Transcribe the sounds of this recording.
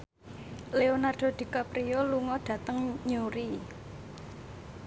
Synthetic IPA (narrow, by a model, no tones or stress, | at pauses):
leonard̪̥o̤d̪̥i̤kapɾioluŋɔɖ̪̥ä̤t̪əŋɲuɾi